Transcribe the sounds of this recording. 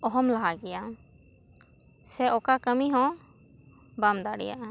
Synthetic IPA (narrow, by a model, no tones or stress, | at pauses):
ɔɦɔmlaɦaɡɛja | sɛɔkakəmiɦɔ̃ | bamd̪aɽɛ̰ja̰ʔ